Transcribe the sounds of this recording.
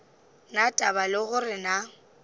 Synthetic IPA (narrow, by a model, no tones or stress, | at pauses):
natʼabalɪɣʊrɪna